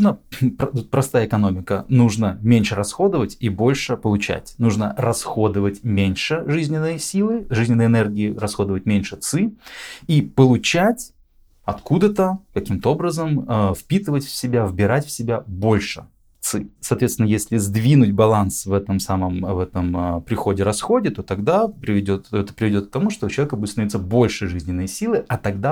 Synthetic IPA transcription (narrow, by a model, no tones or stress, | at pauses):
nəpt̪t̪̚pɾɐst̪ajəɪkɐnomʲɪkənuʐnəmʲenʲʂɨɾɐsxo̞d̪əvətʲibo̞lʲʂɨpəlˠʊt͡ɕæ̰tʲnuʐnərɐsxo̞d̪ɨvətʲmʲenʲʂɨʐɨzʲnʲɪnːɨjəsʲilˠɨʐɨzʲnʲɪnːəjɪnɛrɡʲɪːɪrɐsxo̞d̪əvət̚ʲmʲenʲʂɨt̪sɨipəlˠʊt͡ɕætʲ | ɐt̪kud̪ət̪əkɐkʲimt̪əo̞bɾəzəməfpʲit̪ɨvətʲfʲsʲɪbʲavbʲɪɾatʲfsʲɪbʲabo̞lʲʂɨ̰ | t̪sɨsɐːt̪vʲet̪ʲɪnəjesʲlʲɪzd̪vʲinʊtʲbɐlˠansvɛt̪əmsaməmvɛt̪əmpɾʲɪxo̞dʲɪɾɐsxo̞dʲɪt̪o̞t̪ɐɡd̪apɾʲɪvʲɪdʲot̪ɛt̪ə̥pɾʲɪvʲɪdʲo̞t̪̚k̚t̪ɐmuʂt̪oʊt͡ɕlˠɐvʲekəbudʲɪt̪nvʲit̪səbo̞lʲʂɨʐɨzʲnʲɪnːəjsʲilˠɨʔɐt̪ɐɡ̚d̪a